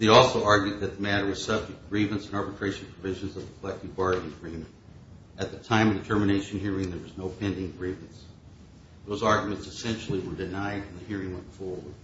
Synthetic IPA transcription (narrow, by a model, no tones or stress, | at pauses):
ðeɪɔlˠsoʊɑɹɡjʉd̪̚ðɨt̪̚ðəmæɾə˞wʌz̥sʌb̚d͡ʒɨk̚t̚ɡ̥ɹivɨ̃nsɨ̃nɑɹbɨtʰɹ̥eɪʃn̩pʰɹ̥əvɪʒɨ̃nzʌvðəkʰəlɛk̚tɨvbɑɹd̃n̩ɡɹĩm | ɨt̪̚ðɨtʰãɪ̃mʌvðɨtʰɜ˞mɨneɪʃɨ̃nɦiɹɪ̃ŋðə˞wʌznoʊpʰɛ̃ndɪ̃ŋɡɹivɨ̃nts | ðoʊzɑɹɡjmɨ̃ntsɨsɛ̃nʃl̩ˠiwə˞dɨnaɪdfə̃m̩ðɨhiɹɪ̃ŋwɛ̃nfɔɹwə˞d̥̚